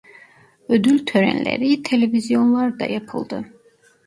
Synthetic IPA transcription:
ød̪ylʲt̪ʰøɾæ̰nlʲḛɾit̪ʰe̞lʲevizjo̞nlˠaɾd̪ɑ̰jɑpʰɯ̰lˠd̪ɯ

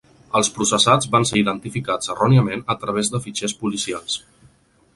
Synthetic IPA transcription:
əlˠspɾusəsad͡zβanseiðənt̪ifikad͡zərɔniəmenət̪ɾəβ̞ezðəfit͡ʃɛspulisialˠs

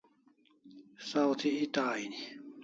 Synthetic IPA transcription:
sawt̪ʰiit̪aːini

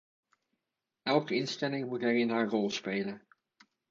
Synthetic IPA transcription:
ɛlˠkəɪnstɛlɪŋmutɦɛɹɪnɦaːɹrɔlˠspejlən

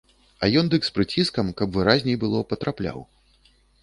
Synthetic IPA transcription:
ɐjɔnd̪ɨkspɾɨt͡sʲiskɐmkɐbvɨɾazʲnʲɛjbɨlˠɔpɐt̪ɾaplʲa̰w

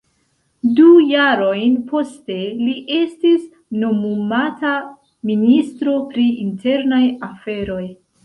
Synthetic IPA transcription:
dujaɾo̞jnpo̞ste̞liʔe̞stis | no̞mumata | ministɾo̞pɾiintʰe̞ɾnajafe̞ɾo̞j

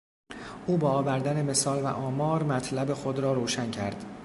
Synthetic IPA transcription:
ʔuːbɒːvæɾd̪æne̞me̞sɒːlvæ̰ʔɒːmɒːɾmæt̪ʰlæbe̞xo̞d̪ɾɒːɾoːʃæncʰæɾd̪̥

